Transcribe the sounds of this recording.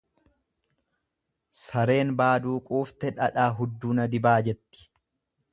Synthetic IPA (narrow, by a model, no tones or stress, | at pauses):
sɐɾe̞ːnbaːd̪uːkʼuːft̪ɛᶑɐᶑaːɦʊd̪ːuːnɐd̪ɪbaːd͡ʒɛt̪ːɪ̥